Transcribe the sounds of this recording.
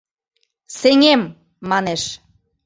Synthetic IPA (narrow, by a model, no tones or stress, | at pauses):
seŋemː | ɑneʃ